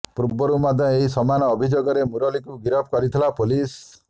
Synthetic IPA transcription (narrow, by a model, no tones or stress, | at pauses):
puɾbɔɾumad̪ʱjɔ̃eɦisɔmanɔːbʱid͡ʒoɡɔɾemuɾɔlikuɡiɾɔpʰɔkɔɾit̪ʰilapulis